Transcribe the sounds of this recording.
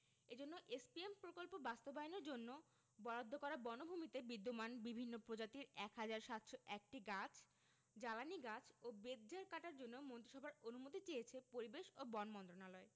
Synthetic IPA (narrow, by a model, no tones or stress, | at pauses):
ed͡ʑonːoʔespiempɾokolpobast̪obajineɾd͡ʑonːo | bɔɽad̪ʱːokɔɾabɔnobʱumit̪ebid̪ːomanbibʱinːopɾod͡ʑat̪iɾɛkɦad͡ʑaɾʃat̪ʃoʔɛk̚ʈiɡat͡ɕʰ | d͡ʑalaniɡat͡ɕʰobed̪d͡ʑaɾkaʈaɾd͡ʑonːomont̪ɾiʃɔbʱaɾonumot̪̬it͡ɕejet͡ɕʰepoɾibeʃobɔnmɔnt̪ɾonalɔe